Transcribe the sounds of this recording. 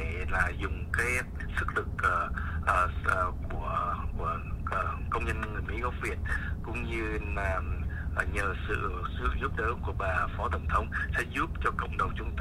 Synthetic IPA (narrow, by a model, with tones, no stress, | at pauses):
ɛ˧˨laː˨˩zʊ˨˩ŋ͡mkaː˨˦j | sɨ˦˥k̚lɨ˨˩k̚ːʔːku˧˩ə˧˩˨ | kə˧wŋ͡mɲə˧n˧ŋɨ˨˩əjmḭ˧˥ɣɔ˨˦vi˨˩ət̚kʊ̰˧˥ŋ͡mɲɨ˧laː˨˩mʔɲəː˨˩sɨ̰˧˨sɨ˦˥əzu˦˥p̚ɗəː˨˦ku˧˩əɓaː˨˩fɔ˨˦t̪ə˧˩wŋ͡mt̪ʰə˧wŋ͡msɛ̰˧˥zu˦˥p̚t͡ɕɔ˧kə̰˧˨wŋ͡mɗə˨˩wŋ͡mt͡ɕʊ˧ŋ͡mt̪